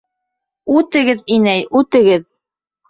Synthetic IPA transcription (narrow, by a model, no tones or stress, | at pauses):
ʉt̪ɘ̆ɡɘðinæjʉt̪ɘ̆ɡɘð